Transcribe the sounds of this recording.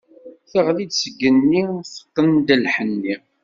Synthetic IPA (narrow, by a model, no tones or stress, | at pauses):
θəʁlid̪səɡːənːiθə̥q̪ːənd̪əlħənːi